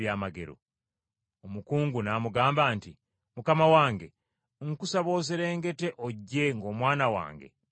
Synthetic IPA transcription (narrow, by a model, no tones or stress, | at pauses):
jaːmaɡe̞̰ɾo̰ | omukuːŋɡunaːmuɡaːmbaːnti | mukamawaːŋɡe̞ | ŋkusaβo̞ːzeɾe̞ːŋɡe̞te̞ʔoɟːe̞ŋɡo̞ːmwaːnawa̰ːŋɡe̞̰